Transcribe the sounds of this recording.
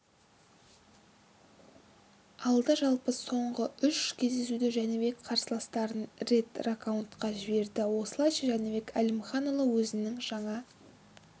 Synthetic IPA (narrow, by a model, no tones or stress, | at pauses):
ɑlˠd̪əʒɑlˠpəso̞ɴʁəʏʃkʲʰe̞zd̪e̞sud̪ɪʒænɪβe̞kqʰɑɾsəlˠɑst̪ɑɾənret̪rakawunt̪qɑʒɪbe̞ɾd̪ɪwo̞səlˠɑjʃɑʒænɪbe̞kælʲɪmχɑnolˠəwɵzɪnɪŋʒ̥ɑɴɑ